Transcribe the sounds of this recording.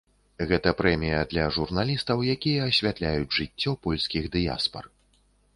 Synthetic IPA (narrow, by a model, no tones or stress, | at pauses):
ɣɛt̪ɐpɾɛmʲijɐd̪lʲɐʐurnalʲist̪ɐwjakʲijɐːsʲvʲat̪lʲajud͡zʲʐɨt͡sʲːɔpɔlʲsʲkʲiɣd̪ɨja̰spɐ̰r